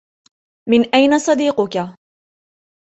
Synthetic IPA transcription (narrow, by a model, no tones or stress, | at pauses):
mɪnʔajnasˤɑd̪iːqʊka